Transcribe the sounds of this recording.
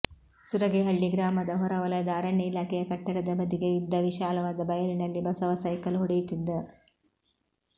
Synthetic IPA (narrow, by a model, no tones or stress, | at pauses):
suɾɐɡeɦɐɭːiɡɾaːmɐd̪ɐɦɔɾɐʋɐlɐjɐd̪ɐɐːɾɐɳjɐilaːkɛjɐkɐʈːɐɽɐd̪ɐbɐd̪iɡeid̪ːɐʋiʃaːlɐʋaːd̪ɐbɐjɐlinɐlːibɐsɐʋɐsɐjkɐlɦɔɽɛjut̪id̪ːɐ